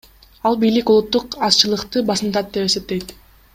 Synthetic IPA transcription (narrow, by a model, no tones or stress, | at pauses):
ɑlˠbijlikolˠut̪ːuqɑst͡ʃɯlˠɯqt̪ɯbɑsnd̪ɑt̪̚d̪e̞pe̞se̞p̚t̪e̞jt̪